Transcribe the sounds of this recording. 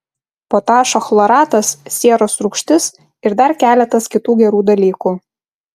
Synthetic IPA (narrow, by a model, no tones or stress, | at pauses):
poːt̪ɑːʃɐxlˠɔɾɑːt̪ɐssʲiɛɾosɾʊkʃʲt̪ʲɪs | ɪɾd̪ɐɾkʲæːlʲɛt̪ɐskʲɪt̪uːɡʲɛɾuːd̪ɐlʲiːkuː